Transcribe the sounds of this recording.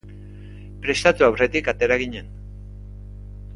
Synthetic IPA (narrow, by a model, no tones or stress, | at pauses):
pɾe̞st̪at̪uawre̞t̪ikat̪e̞ɾaɣ̞iɲe̞n